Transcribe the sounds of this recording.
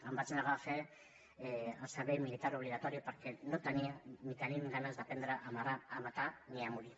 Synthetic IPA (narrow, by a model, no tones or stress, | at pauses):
ambat͡senaɣafe | askaβejmilit̪aɾoβliɣ̞at̪oɾiopaɾkenot̪aniamik̪aniɡanazd̪apend̪ɾaʔamaraːmat̪aniaŋuli